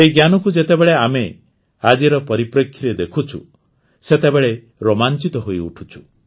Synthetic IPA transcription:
eɡjanɔkud͡ʒet̪ebeɭeame | ad͡ʒiɾɔpɔɾipɾekʰːiɾed̪ekʰut͡ʃʰṵ | set̪ebeɭe | ɾomant͡ʃit̪ɔɦoiṵʈʰu̥t͡ʃʰu̥

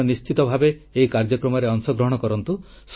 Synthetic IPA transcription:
ɔnist͡ʃit̪ɔbʱabeːikaɾd͡ʒɔkɾɔmɔɾeɔŋsɔɡɾɔɦɔɽ̃ɔkɔɾɔnt̪u | s

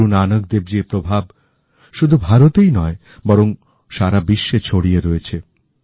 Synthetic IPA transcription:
unanok̚d̪eb̚d͡ʑiepɾobʱab | ʃud̪ʱubʱaɾot̪ejnɔe | bɔɾoŋ | ʃaɾabiʃːet͡ɕʰoɽieɾoet͡ɕʰe

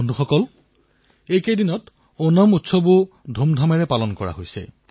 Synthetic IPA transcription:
ndʱuxɔkɔl | ejkejdinɔt | onɔmutsɔbu | dʱomdʱamɛɹɛpalɔnkɔɹa̰ɦojsɛ̰

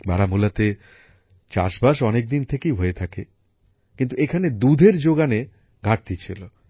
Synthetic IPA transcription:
baɽamulat̪e | t͡ɕa̰ʃbaʃɔnek̚d̪int̪ʰekeiɦoet̪ʰake | kint̪uekʰaned̪ud̪ʱeɾd͡ʑoɡane | ɡʱaʈ̚t̪it͡ɕʰilo

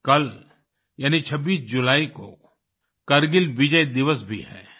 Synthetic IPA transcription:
kɐl | jaːnit͡ʃʰɐbːiːsd͡ʒʊlaːiko̰ | kɐɾɡɪlʋɪd͡ʒəid̪ɪʋəsbʱḭɦɛ̰ː

